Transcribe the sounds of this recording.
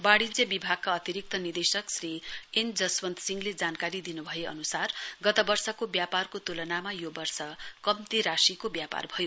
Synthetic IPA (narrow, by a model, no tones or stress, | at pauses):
baɽid͡zebibʱaɡ̚kaʌt̪iɾik̚t̪ʌnid̪esʌksriend͡zʌswʌnt̪siŋɡled͡zankaɾid̪inubʱʌjeʌ̰nusarɡʌt̪ʌbʌrsʌkobjaparkot̪ulʌnamajobʌrsʌkʌmt̪iɾasikobjapa̰rbʱʌjo